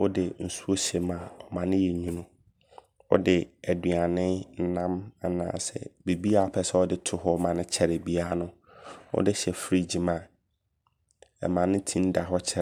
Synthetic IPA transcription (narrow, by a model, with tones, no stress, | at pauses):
wʊ˦dɪ˨n̩˨su˦o˦ɕɛ˨mã˨ɔ˨mã˨nɪ̃˦jɛ˨ɲũ˦nʊ̃˦ | ɔ̰˦dɪ˨æ˨dɥa˨nɪ̃˦n̩˦nã˦ma˨nã̰ː˨sɛ̰˨be˨bi˦a˦˨pʰɛ˨sɛ˦ɔ˦dɪ˦tʰʊ˨ɦɔ˦mã˨nɪ̃˦t͡ɕʰɛ˨ɾe˨bi˦a˦nʊ̃˦ | wʊ̰˦dɪ˦ɕɛ˨fɾi˦d͡ʑĩ˨mã˨ | ɛ̰˨mã˨nɪ̃˦tʰĩ˦n˦da˨ɦɔ˦t͡ɕʰɛ˨